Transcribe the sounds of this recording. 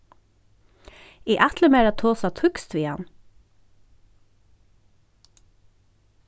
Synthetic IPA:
iːʔæt̪ʰləmeːɾɑːt̪ʰoːsɑːt̪ʰʉkst̪ʰʋiːɑ̰n

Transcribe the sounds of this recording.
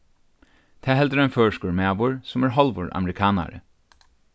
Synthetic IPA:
t̪ʰæːhɛld̪əɾɛːnføːʂkuːɹmeɑʋuɹsɔmæːɹɦɑlʋɔɹʔɑ̰məɾɪkʰɑːna̰ɾə̰

